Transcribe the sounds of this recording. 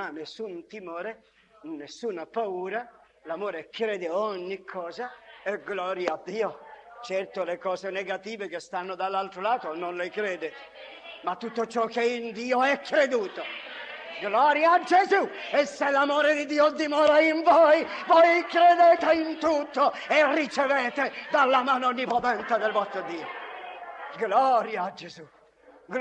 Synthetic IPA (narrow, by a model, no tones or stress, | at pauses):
anːesːunt̪imoːɾe | nːesːuːnapauːɾa | lamoːɾekɾɛːd̪eɔɲːikʰːɔːzaeɡlɔːɾjaːd̪ːiːot͡ʃɛrt̪olekɔːzeneɡat̪iːvek̟est̪anːod̪alːalt̪ɾolaːt̪ononlekɾɛːd̪e | mat̪ːut̪ːot͡ʃɔkːeind̪iːoɛkːɾed̪uːt̪o | ɡlɔːɾjaːd͡ʒezueselːamoːɾed̪id̪iːod̪imɔːɾaiɱvojvojkɾed̪et̪eint̪ut̪ːo | erːit͡ʃeveːt̪ed̪alːamaːnoonːipot̪ɛnt̪ed̪elvɔst̪ɾod̪iːo | ɡlɔɾjad͡ʒezu | ɡ